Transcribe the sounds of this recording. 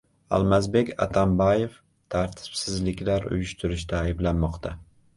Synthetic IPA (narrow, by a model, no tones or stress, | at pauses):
a̰lˠmazbe̞kʲa̰t̪ʰambajef | t̪ʰaɾt̪ʰɪ̥psɪzlɪkʲlaɾʊ̰jʊʃt̪ʰʊɾɪʃt̪aːjɪblanmɒqt̪ʰa